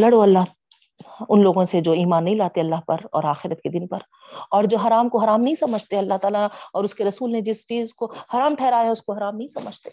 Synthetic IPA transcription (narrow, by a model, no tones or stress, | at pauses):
lɐɽoɐlːaɦ | ʊnloːɡõsed͡ʒoːiːmaːnːɐɦĩlaːt̪eɐlːaɦpɐɾɔ̰ːɾaːxɪɾət̪ked̪ɪnpɐɾ | ɔːɾd͡ʒoːɦɐɾaːmkoɦɐɾaːmnɐɦĩsɐməd͡ʒʱt̪eɐlːaɦt̪aːlaɔːɾʊskeɾɐsuːlned͡ʒɪst͡ʃiːzkohɐɾaːmʈ̪ʰɛːɾaːeʊskoɦɐɾaːmnɐɦĩsɐməd͡ʒʱt̪eː